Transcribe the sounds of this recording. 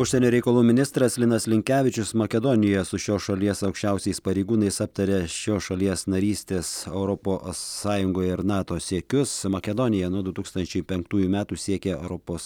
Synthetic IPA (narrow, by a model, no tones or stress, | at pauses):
ʊʃʲsʲɛnʲoːɾʲɛɪkɐlˠuːmʲɪnʲɪst̪ɾɐslʲɪnɐslʲɪŋʲkʲæːʋʲɪt͡ʃʲʊsmɐkʲɛd̪onʲɪjɛsʊʃʲoːʃɐlʲiɛsɐʊkʃʲt͡ʃʲɛʊsʲɛɪspɐɾʲɛɪɡuːnɐɪsɐp̚t̪ɐɾʲɛʃʲoːʃɐlʲiɛsnɐɾʲiːsʲt̪ʲeːsɛʊɾɔpoːsːɑːjʊŋɡoːjɪɾnɑːt̪oːsʲeːkʲʊsmɐkʲɛd̪onʲɪjɛnuɔd̪ʊt̪uːkst̪ɐnʲt͡ʃʲɛɪpʲɛŋkt̪uːjuːmʲæːt̪uːsʲiɛkʲɛɛ̰ʊɾɔpoːs